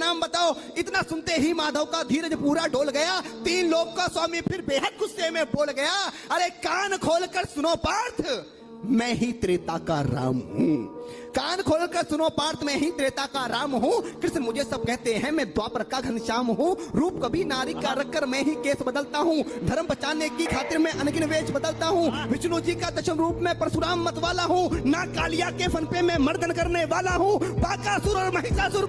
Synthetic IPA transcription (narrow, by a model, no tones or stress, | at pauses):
naːmbɐt̪aːoɪt̪nasʊ̃nt̪eɦimaːd̪ʱəʋkad̪ʱiːɾɐd͡ʒpuːɾaɖoːlɡɐjat̪iːnloːɡkːaswaːmipʰɪɾbeːɦət̪̚ɡʊsːemẽboːlɡɐja | ɐɾekaːnkʰoːlkəɾsʊnoːpaːɾt̪ʰ | mɛ̃ːɦit̪ɾeːt̪akaɾa̰ːmɦṵ̃ | kaːnkʰoːlkəɾsʊnopaːɾt̪ʰmɛ̃ːɦit̪ɾeːt̪akaɾaːmɦũkɾɪʃnmʊd͡ʒʱesɐb̚kɛɦt̪eɦɛ̃mɛ̃ːd̪waːpɾɐkaɡʱɐnʃaːmɦũɾuːpkɐbʱinaːɾɪaɾɐkːəɾmɛ̃ɦikeːsbɐd̪əlt̪aɦũd̪ʱɐɾmpɐt͡ʃaːnekikʰaːt̪ɪɾmẽʔɐnɡɪnʋeːt͡ʃbɐd̪əlt̪aɦũʋɪt͡ʃlud͡ʒikad̪ɐʃəmɾuːpmẽpɾɐsʊɾaːmːɐt̪ʋaːlaɦũnakaːlɪjakefʰɐnpemẽmɐɾd̪ənkɐɾneʋaːlaɦũːbaːkasʊɾɔːɾmɐɦɪsasʊɾ